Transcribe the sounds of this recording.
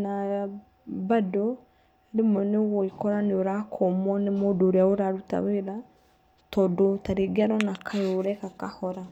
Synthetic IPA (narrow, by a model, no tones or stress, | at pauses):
naa | bado | ɾemɛneɣoikɔɾaneoɾakʰɔmwɔnemodoːɾeaoɾaɾuta̰weɾa | tɔːdɔtaɾeɡaɾɔnakʰajoːɾɛkakahɔɾa